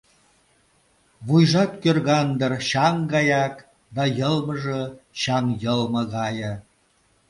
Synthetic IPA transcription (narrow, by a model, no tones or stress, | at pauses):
βujʒɑt̪kørɣɑnd̪ərɕɑŋɡɑjɑk | d̪ɑjəlməʒəɕɑŋjəlmɤ̆ɣɑjə̆